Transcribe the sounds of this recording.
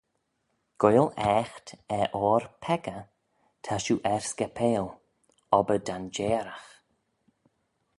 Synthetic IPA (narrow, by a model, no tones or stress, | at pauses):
ɡ̥ojlɛːxt̪ɛʔɔːɹpʰɛɡə | t̪ʰaʃuːʔɛɹskɛpʰeːl | ɔbədand͡ʒeːɾax